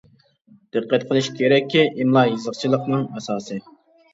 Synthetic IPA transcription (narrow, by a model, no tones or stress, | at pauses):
d̪̥ɨqːɛt̪̚qʰəlˠɨʃkʲʰeɾɛkʲʰːiʔimlˠɑjɨzəχt͡ʃʰilˠəqnɨŋɛsɑːsɨ